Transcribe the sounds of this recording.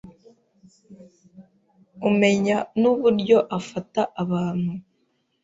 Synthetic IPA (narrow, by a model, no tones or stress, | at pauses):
ume̞ɲanuβuɾɟo̞ʔafataʔaβaːn̥hu